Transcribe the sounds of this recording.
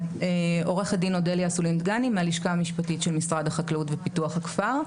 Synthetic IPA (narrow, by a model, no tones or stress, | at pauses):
eʔo̞ʁeχadinodeljasulind̪ɡanimealiʃkamiʃpatitʃelmisʁadhaχaklautvepituaχhakfaʁ